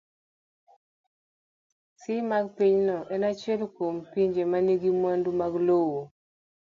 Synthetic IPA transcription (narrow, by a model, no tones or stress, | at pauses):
sɪmaɡpiɲnɔʔɛnat͡ʃɛlkompiɲd͡ʒemaniɡimwandumaɡlowo